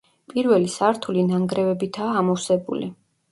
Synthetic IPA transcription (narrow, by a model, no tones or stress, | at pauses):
pʼiɾvɛlisaɾt̪ʰulinaŋɡɾɛvɛbit̪ʰaːmɔwsɛbṵlḭ